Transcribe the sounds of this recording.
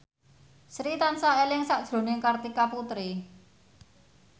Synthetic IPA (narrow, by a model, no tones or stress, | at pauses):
sɾit̪ansaelɪŋsaʔd̥ʒ̥ɾo̤nɪŋkart̪ikaput̪ɾi